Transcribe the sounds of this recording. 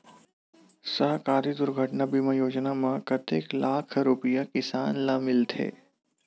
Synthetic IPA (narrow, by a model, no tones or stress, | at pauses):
səɦkaːɾid̪ʊɾɡʱəʈnabiməjoːd͡ʒnamãkɐt̪eːklaːkʰɾʊpɪjakɪsaːnlaːmɪlt̪ʰḛː